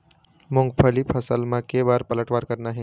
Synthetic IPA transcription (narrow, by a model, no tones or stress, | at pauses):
mʊ̃ŋɡpʰəlipʰəsəlmãkebaːɾpələʈʋaːɾkəɾnaɦɛ̃ː